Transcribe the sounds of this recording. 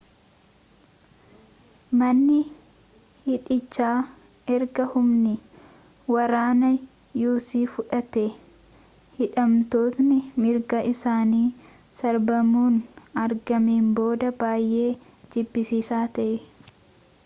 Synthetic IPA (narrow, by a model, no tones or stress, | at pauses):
mɐnːɪ | hɪᶑɪt͡ʃːaː | ɛɾɡɐhʊmnɪ | wɐɾaːnɐ | juːsiːfʊᶑɐt̪ɛ | hɪᶑɐmt̪o̞ːt̪nɪmɪɾɡɐʔɪsaːniː | sɐɾbɐmuːnɐɾɡɐmeːmbo̞ːd̪ɐbaːjʔe̞ː | d͡ʒɪbːɪsiːsaːt̪ɐʔɛ